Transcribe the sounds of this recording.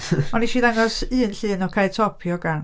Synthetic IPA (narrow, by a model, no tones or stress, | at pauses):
ɔniʃiːðaŋɔsɨːnɬɨːnɔkʰajtʰɔpʰjɔɡan